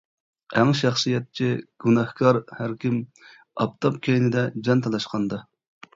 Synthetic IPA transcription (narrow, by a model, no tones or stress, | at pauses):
æŋʃæχsɨjɛt̪̚t͡ʃʰiɡ̥unɑhkʰɑɾhæɾkʲim | ɑ̰p̚t̪ʰɑpkʲʰejnɪd̪ɛd͡ʒɑnt̪ʰɑlˠɑʃqʰɑnd̪ɑ